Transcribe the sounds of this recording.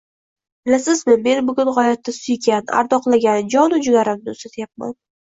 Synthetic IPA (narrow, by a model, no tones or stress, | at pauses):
b̥ɪlasɪzmɪme̞nbʊɡʲʊnhɒjat̪ːasʊjɡʲana̰ɾd̪ɒqlˠaɡʲand͡ʒɒnʊd͡ʒʊɡʲaɾamnɪʊst̪at̪ʰɪjap̚ma̰n